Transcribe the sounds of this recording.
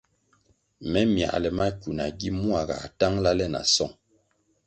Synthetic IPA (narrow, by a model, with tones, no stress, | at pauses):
mɛ˦mja̰˨ʔlɛ˨ma˦ku˨na˨ɡi˦mu˦a˨ɡa̰˨ta˦ŋla˦lɛ˦na̰˨sɔ˦˨ŋ